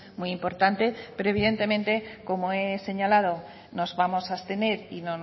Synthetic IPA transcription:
muiimpo̞ɾt̪ant̪e̞pe̞ɾoe̞βiðe̞nt̪e̞mẽnt̪e̞ko̞moese̞ɲalað̞o̞ | no̞zβamo̞sast̪e̞ne̞ɾinon

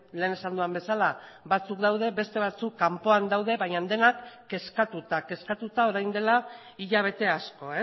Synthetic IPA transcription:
le̞ːne̞sand̪uambe̞salabat͡sukd̪awð̞e̞be̞st̪e̞βat͡sukːampo̞and̪awðe̞βaɲand̪e̞nakː | e̞skat̪ut̪ake̞skat̪ut̪ao̞ɾajnd̪e̞la | iʎaβ̞e̞t̪e̞asko̞e

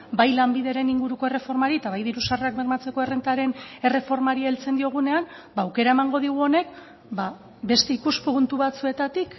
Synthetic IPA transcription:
bajlambiðeɾe̞niŋɡuɾuko̞e̞re̞fo̞ɾmaɾiet̪aβajðiɾusarakbeɾmat͡se̞ko̞e̞rent̪aɾe̞ne̞re̞fo̞ɾmaɾielt͡se̞nd̪io̞ɣ̞une̞am | baːwke̞ɾaemaŋɡo̞ð̞iɣ̞uo̞ne̞k̚ | ba | be̞st̪e̞ikuspunt̪uβat͡sue̞t̪at̪ik

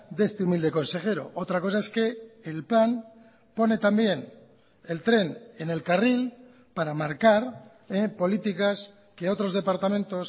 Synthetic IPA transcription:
d̪e̞st̪eumild̪e̞ko̞nse̞xe̞ɾo̞̰ʔot̪ɾako̞saeske̞ːlplan | po̞ne̞t̪ambje̞n | e̞lt̪ɾe̞ne̞ne̞lkaril | paɾamaɾkaɾ | epo̞lit̪ikas | ke̞o̞t̪ɾo̞zð̞e̞paɾt̪amẽ̞nt̪o̞s

